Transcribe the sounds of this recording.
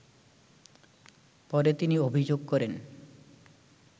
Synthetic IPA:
pɔɾet̪iniobʱid͡ʑoɡ̚kɔɾen

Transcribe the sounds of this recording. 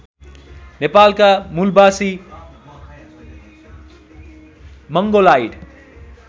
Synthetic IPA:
nepalkamulbasi | mʌŋɡolajɖ

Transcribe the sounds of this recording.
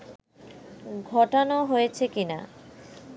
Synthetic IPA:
ɡʱɔʈanoɦojet͡ɕʰekina̰

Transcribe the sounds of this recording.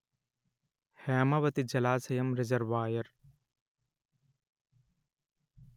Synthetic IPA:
hɛːmɐʋɐt̪id͡ʒɐlaːsɐjɐmɾezɐɾʋaːjɐɾ

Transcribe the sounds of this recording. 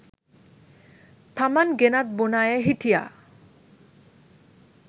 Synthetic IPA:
t̪ʰamanɡenat̪̚bonajeɦiʈʰija̰

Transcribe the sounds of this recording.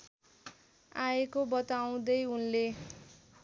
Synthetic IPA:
aekobʌt̪aw̃d̪ʌjunle

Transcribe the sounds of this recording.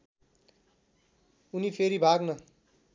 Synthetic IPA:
unipʰeɾibʱaɡnʌ

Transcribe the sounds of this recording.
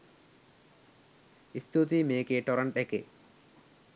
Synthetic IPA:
ist̪ʰut̪imeːkeːʈɔɾɐɳʈeke

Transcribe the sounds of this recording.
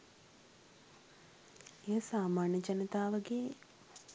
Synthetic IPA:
ejəsaːmaːɳjəd͡ʒanit̪aːʋəɡe

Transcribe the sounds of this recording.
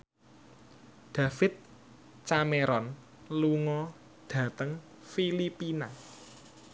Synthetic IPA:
d̪̥ä̤fɪt̪̚ | t͡ʃameɾɔn | luŋɔ | d̥ä̤t̪əŋ | filipina

